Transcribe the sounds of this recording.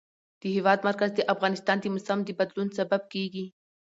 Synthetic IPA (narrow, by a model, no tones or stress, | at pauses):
d̪̥əɦewɑd̪maɾkazd̪əʔafɣɑnɪst̪ɑnd̪əmʊsamd̪əbad̪lunsabab̚keɡi